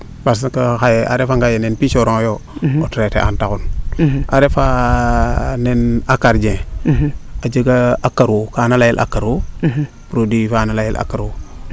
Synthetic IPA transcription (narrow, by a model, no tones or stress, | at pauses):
pas̬kahajeʔaɾefaŋɡajenenpiʃoɾoŋjootɾetḛʔantakunaɾefa | nenakaɾd͡ʒẽ | ad͡ʒəɡaakːaɾokanalajilʔa̰kːaɾo | pɾodifanalajilʔa̰kːaɾo